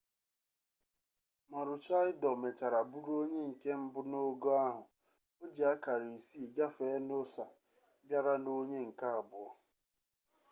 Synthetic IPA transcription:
ma˨ɾʊ˨t͡ʃa˦ɪ˦dɔ˨me˨t͡ʃa˨ɾa˨bu˦ɾo˦ɲe˦ŋ̩˨ke˦m̩˦bʊ˦no˦ɡo˦a˦ɦʊ˨ | o˦d͡ʒe˨a˦ka˨ɾi˨si˦˨d͡ʒa˦fe˨˦no˦sa˨ | bja˦ɾa˦no˦ɲe˦ŋ̩˨ka˦a˨bʊ˨ɔ˦

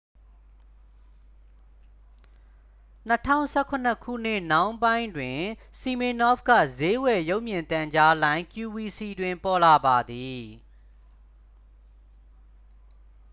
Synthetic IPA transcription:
n̥ə˦tʰã̰˦˨ʊ̃sɛ˦˨kʰʊ̃˨n̥ə˦kʰṵ˦˨n̥ɪ˦˨nã˦ʊ̃mbã˦ɪ̃ndwɪ̃˨si˨mi˨nɔ˦fɡä̰˦˨ze˦wɛ˨jo˦ʊʔmjɪ̃˨nt̪ã˨ɲd͡ʑa˦lã˦ɪ̃ŋkju˨wi˨si˨dwɪ̃˨mpɔ˨la˨ba˨d̪i˨

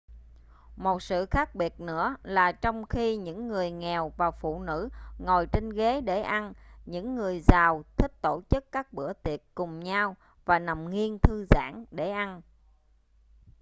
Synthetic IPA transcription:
mo˨˩t̚sɨ̰˧˨xaː˦˥k̚ɓi˨˩ət̚nɨ̰˧˥əlaː˨˩t͡ɕɔ˧wŋ͡mxi˧ɲɨ̰˧˥ŋːɨ˨˩əjŋɛ˨˩wvaː˨˩wfṵ˧˨nɨ̰˧˥ŋo˨˩jt͡ɕe˧nɣe˨˦ɗe˧˩ʔa˧nɲɨ̰˧˥ŋːɨ˨˩əjzaː˨˩wt̪ʰï˦˥k̚t̪o˧˩t͡ɕɨ˦˥kkaː˦˥k̚ɓɨ̰˧˩ət̪i˨˩ət̚kʊ˨˩ŋ͡mɲaː˧w | vaː˨˩na˨˩mŋi˧ənt̪ʰɨ˧za̰ː˧˥˩ŋɗe˧˩ʔa˧n

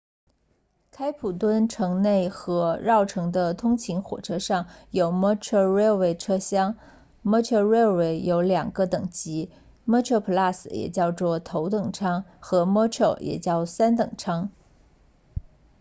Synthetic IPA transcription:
kʰa˥ɪpʰu˨˩t̪wə˥nʈ͡ʂʰɤ˧˥ŋne˥˩ɪxɤ˧˥ɻɑ˥˩ʊʈ͡ʂʰɤ˧˥ŋd̪ə˧t̪ʰʊ˥ŋt͡ɕʰi˧˥ŋxwɔ̰˨˩ʈ͡ʂʰɤ˥ʂɑ˥˩ŋjo˨˩ʊmɔ˥ʈ͡ʂʰo˥˩ɻɛ˥we˥˩ɪʈ͡ʂʰɤ˥ɕjɑ˥ŋ | mɔ˥t͡ɕʰjɔ˥˧ɻɛ˥we˥˩ɪjo˧˥ʊljɑ˨˩ŋɡə˧t̪ɤ˨˩ŋt͡ɕi˧˥ | mɔ˥˧t͡ɕʰɔ˥˩pʰu˧˥la˥˩sɹ̩˨˩˦jɛ̰˨˩t͡ɕjɑ˥˧ʊt͡swɔ˥˩t̪ʰo˧˥ʊt̪ɤ˨˩ŋʈ͡ʂʰɑ˥ŋxɤ˧˥mɔ˥t͡ɕʰo˥˩ʊjʔɛ̰˨˩t͡ɕjɑ˥˩ʊsa˥nt̪ɤ˨˩ŋʈ͡ʂʰɑ˥ŋ

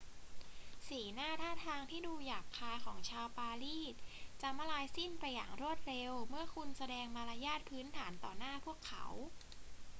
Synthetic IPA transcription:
siː˩˦naː˥˩t̪ʰaː˥˩t̪ʰaː˧ŋt̪ʰiː˥˩duː˧jaː˨˩k̚kʰːaː˧jkʰɔː˩˦ŋt͡ɕʰaː˧wpaː˧liː˥˩t̪̚t͡ɕa˧˥ma˧laː˧jsi˥˩npa˧jːa̰ː˨˩ŋɾu˥˩ət̪̚ɾe˧wmɯ˥˩ɐkʰu˧nsa˧dɛː˧ŋmaː˧la˧jaː˥˩t̪̚pʰɯː˦˥nt̪ʰaː˩˦nt̪ɔ̰ː˨˩naː˥˩pʰu˥˩əkʰːa̰˧˩˥w

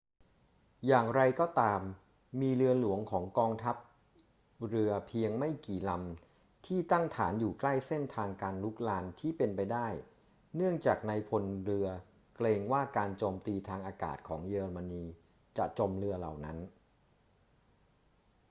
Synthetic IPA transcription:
jaː˨˩ŋɾa˧jkɔː˥˩t̪aː˧mː | iː˧ɾɯ˧ɐlu˩˦əŋkʰɔː˩˦ŋkɔː˧ŋt̪ʰa˦˥p̚ | ɾɯ˧ɐpʰi˧əŋma˥˩jkiː˨˩la˧m | t̪ʰiː˥˩t̪a˥˩ŋt̪ʰaː˩˦njuː˨˩kla˥˩jse˥˩nt̪ʰaː˧ŋkaː˧nlu˦˥k̚laː˧nt̪ʰiː˥˩pe˧npa˧jdaː˥˩j | nɯ˥˩əŋt͡ɕaː˨˩k̚na˧jpʰo˧nɾɯ˧ɐ | kleː˧ŋwaː˥˩kaː˧nt͡ɕoː˧mt̪iː˧t̪ʰaː˧ŋʔaː˧ka̰ː˨˩t̪̚kʰɔ̰ː˩˦ŋjɤː˧ɾa˧ma˧niː˧ | t͡ɕa˨˩ʔt͡ɕo˧mɾɯ˧ɐla̰˨˩wna˦˥n

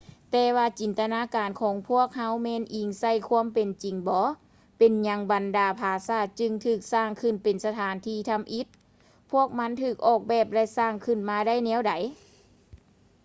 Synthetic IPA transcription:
t̪ɛː˧waː˧t͡ɕi˨˦nt̪a˧naː˧˥˨kaː˨nkʰɔː˨˦ŋpʰu˦˥˩ək̚ha˧˥wmɛː˧˨nʔiː˨˩ŋsa˧˩˨jkʰu˧˥əmpe˨nt͡ɕi˨ŋbɔː˧˦ | pe˨nɲa˧˥ŋba˨ndaː˨˩pʰaː˨˧˩saː˧˩t̪̚t͡ɕɯ˧ŋt̪ʰɯː˧˩k̚saː˧˩ŋkʰɯ˧˩npe˨nsa˧t̪ʰaː˨˦nt̪ʰiː˧˩t̪ʰa˧˥˨mʔi˧˥t̪̚ | pʰu˧˥˩ək̚ma˧˥nt̪ʰɯː˧˩k̚ʔɔː˧˩k̚bɛː˧˩p̚lɛ˧˥˨saː˧˩ŋkʰɯ˧˩nmaː˧da˥˨jnɛː˧˥˨wda˨˦j

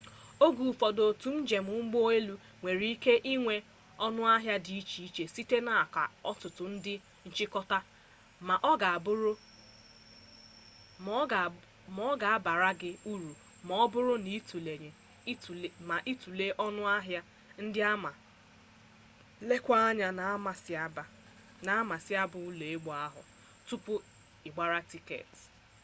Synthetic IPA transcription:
o˦ɡu˨fɔ˨do˨tu˨n̩˦d͡ʒe˨mʊ˨˦ŋ͡m̩˦ɡ͡bo˦e˦lu˦ | ŋʷe˨ɾi˦i˦ke˦ʔi˦ŋʷe˨ | ɔ˦nʊ˦a˦ɦja˦di˨i˦t͡ʃi˨i˦t͡ʃe˨si˦te˦na˨a˨ka̰˨ɔ˦tʊ˨tʊ˨n̩˦dɪ˦ | n̩˨t͡ʃɪ˦kɔ˦ta˦ | ma˨ʔɔ˦ɡa˨bʊ˦ɾʊ˦˨ | mɔ˦ɡa˨a˦ba˨ɾa˦ɡɪ˦u˦ɾu˨ | mɔ˦ɔ˦bʊ˦ɾʊ˦ni˦tu˨le˨ɲe˨˦˨ | ma˨ʔi˦tu˨le˦ʔɔ˦nʊ˦a˦ɦja˦ | n̩˦dɪ˦a˦ma˨ | le˦kʷa˦a˦ɲa˨na˨˦ma˨sba˨ | na˨˦ma˨sɪ˦a˦bʊ˨u˦le˨e˦ɡ͡bɔ˨˦a˦ɦʊ̰˨ | tu˦pʊ˦ | ɪ˨ɡ͡ba˦ɾa˦ti˦kḛ˨t

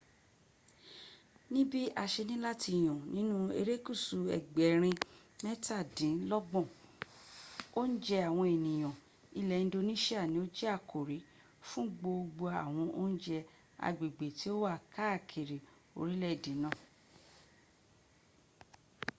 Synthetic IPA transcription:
nĩ˦bi˦a˧ʃe˧nĩ˦la˦ti˧˨j̃ɔ̃˨nĩ˦nũ˦ḛ˧ɾe˦ku˦˨su˨ɛ̰˨ɡ͡bɛ˨˦ɾ̃ĩ˧ | mɛ˦ta˦˨dĩ˨˦lɔ˦ɡ͡bɔ̃˦˨ | o˦n̩˦d͡ʒɛ˧a˨w̃ɔ̃˧e˨nĩ˨j̃ɔ̃˨ | i˦˧lɛ˨ñ̩˦do˧nĩ˦ʃa˦˨nĩ˦o˦d͡ʒɛ˦a˦˨kʰo˨ɾi˨˦ | fũ˦ɡ͡bo˧ɡ͡bo˧a˨w̃ɔ̃˧ʔo˦n̩˦d͡ʒɛ˧ | a̰˨ɡ͡be˨ɡ͡be˨ti˨˦o˦wa˦˨ka˦˨kʰe˨ɾi˨ | o̰˧ɾi˦lɛ˦˨dĩ˨˦nã˦˨

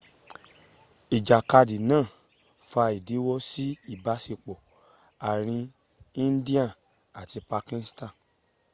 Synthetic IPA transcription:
i˨d͡ʒa˨ka˧di˨nãː˦˨ | fa˧i˨di˨˦wɔ˦si˦i˦˨ba˨˦si˧k͡pɔ˨ | a˨ɾ̃ĩ˧ | i˦n̩˦di˦ã˦˨ | a˨ti˧pa˧kĩ˧n˦stã˦˨

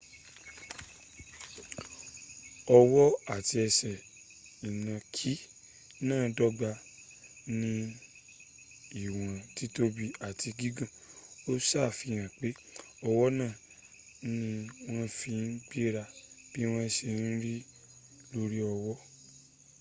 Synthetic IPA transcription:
ɔ˧wɔ˦a˦˨ti˧ɛ˧sɛ˨ | i˨nã˨kʰi˦ | nãː˦˨dɔ˦ɡ͡ba˧ | nĩ˧ | i˨w̃ã˨ti˨˦to˦bi˧a˨ti˧ɡi˨˦ɡã˦˨o˦saː˦˨fi˧j̃ã˨k͡pe˨˦ | ɔ˧wɔ˦nãː˦˨ | nĩ˧˦w̃ã˦fĩ˧n̩˦ɡ͡bi˦ɾa˧b̥i˦w̃ã˦ɛ˧ʃe˧n̩˦ɾi˦ | lo˦ɾi˦ɔ˧wɔ˦

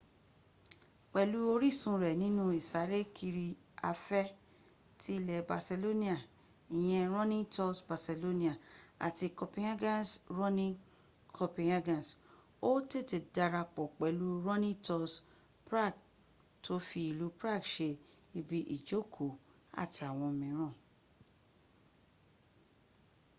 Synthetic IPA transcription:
k͡pɛ˨lu˦o˧ɾi˦˨sũ˧ɾɛ˨nĩ˨˦nũ˦i˨sa˨˦ɾe˦kʰi˧ɾi˧ | a˧fɛ˦ | ti˦lɛ˨ba˨se˧lo˦nĩ˦a˨ | i˨j̃ɛ̃˧ɾ̃ɔ̃˦nĩ˦tɔ˧sba˨se˨lo˦nĩ˦a˦˨a̰˨ti˧kɔ˧pĩ˧˦a˦ɡã˦nsɾɔ̃˦nĩ˦ | kʰɔ˧pĩ˧a˧ɡã˨s | o˦te˦˨te˨da˧ɾa˧k͡pɔ˨k͡pɛ˨˦lu˦ɾɔ̃˦nĩ˦tɔ˧s | pɾa˦˨ɡ̚ | tʰo˨˦fi˧i˧lu˨˦pɾa˦˨ɡʃe˧ | i˧bi˦ʔi˨d͡ʒo˦˨kʰo˨ | a̰˦˨ti˨a˨w̃ɔ̃˧mĩ˨˦ɾ̃ɔ̃˦˨

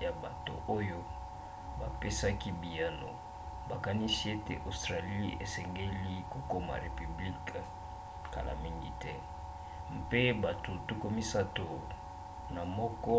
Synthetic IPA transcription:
ja˨ba˨to̰˨ʔo˦jo˦ | ba˨pe˦sa˦ki˦bi˨ja˦no̰˨ | ba˨ka˦ni˦si˦e˦tḛ˨ʔo˨stʁa˨li˦ḛ˨sɛ˨ŋɡe˦li˦ko˨ko˦ma̰˨ʁe˨py˨bli˦k | ka̰˨la̰˨mi˦ŋɡḭ˨tɛ˦ | mpe˦ba˨to˨tu˦ko˦mi˦sa˦to˨ | na˨mɔ˦kɔ˦

